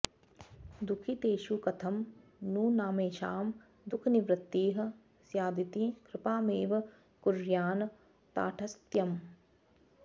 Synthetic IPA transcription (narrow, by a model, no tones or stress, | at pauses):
d̪ukʰit̪eːʃukɐt̪ʰɐmnuːnaːmeːʃaːm | d̪ukʰniʋɾɪt̪ːiːɦɐ̆ | sjaːd̪it̪ikɾɪpaːmeːʋɐ | kuɾjaːn | t̪a̰ːʈʰɐst̪jɐm